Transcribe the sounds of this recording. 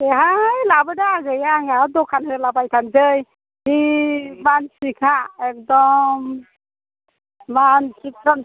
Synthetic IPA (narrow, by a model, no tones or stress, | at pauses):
eɦajlabɯdaɡɯjaŋadɔkʰanhɯlabajt̪ʰanzɯj | hibansikʰaɛk̚dɔm | bansitʰɾɔn